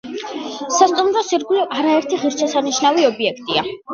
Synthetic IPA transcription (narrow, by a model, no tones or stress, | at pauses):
sast̪ʼumɾɔsiɾɡulɔʔaɾaɛɾt̪ʰiʁiɾʃʰɛsaniʃnaviɔbiɛkʰt̪ʼia̰